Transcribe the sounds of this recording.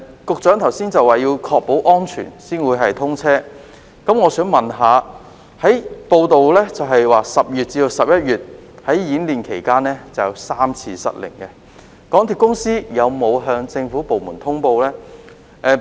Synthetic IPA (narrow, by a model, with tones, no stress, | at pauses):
kʊ˨k̚t͡ʃœː˨˥ŋt̪ʰɐ˨˩wsiː˥nt͡sɐ˨waː˨jiː˧wkʰɔː˧k̚po˨˥wʔɔː˥nt͡ʃʰy̰ː˨˩nsiː˥nwuː˨˧jɦɐ˨jt̪ʰʊ˥ŋt͡sʰɛː˥ | kɐ˨˥mŋɔː˨˧sœː˨˥ŋmɐ˨nɦaː˨˧ | hɐ˨˥jpo˧wt̪o˨wlɛː˥t͡sɐ˨wɦɐ˨jwaː˨sɐ˨p̚jyː˨t̚t͡siː˧d̪o˨˧wsɐ˨p̚jɐ˥t̚jyː˨t̚hɐ˨˥jjiː˨˥nliː˨nkʰe˨˩jkaː˥nːɛː˥t͡sɐ˨˩wjɐ˨˧wsaː˥mt͡sʰiː˧sɐ̰˨t̚lɪ̰˨˩ŋkɛ˧ | kɔː˨˥ŋt̪ʰi˨˩kʊ˥ŋsiː˥jɐ˨˧wmo˨˧wɦœː˧ŋt͡sɪ˧ŋfuː˨˥po˨wmuː˨˩nt̪ʰʊ˥ŋpo˧wlɛː˥ | ʔɛː˨˧